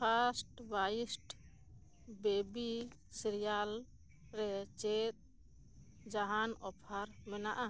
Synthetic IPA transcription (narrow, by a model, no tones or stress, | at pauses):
pʰasʈbaisʈ | bebi | siɾijal | ɾɛt͡ʃet̪̚ | d͡ʒaɦanɔpʰaɾmɛnaʔa